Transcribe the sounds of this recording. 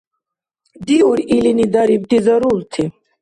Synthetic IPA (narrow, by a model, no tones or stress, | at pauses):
d̪iuɾilinid̪aɾib̚t̪izɐɾuɾt̪ʰi